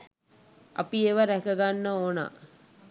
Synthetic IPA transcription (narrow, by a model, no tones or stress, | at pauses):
a̰pieʋəɾækəɡanːəoːna̰